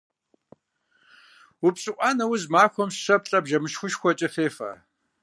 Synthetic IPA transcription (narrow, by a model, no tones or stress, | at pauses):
wʊpɕʼɨʔʷʼɑːnɐwʊzmaːxʷɔmsɕɐp̚ɬʼɐbʒɐmɨʃxʷʊʃxʷɔt͡ʃʼɐfeːfɐ̰